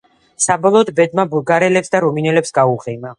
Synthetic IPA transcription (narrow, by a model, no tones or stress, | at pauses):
sabɔlˠɔːd̪bɛd̪mabuɡaɾɛlɛpsd̪aɾɔminɛlɛpsɡauʁɛma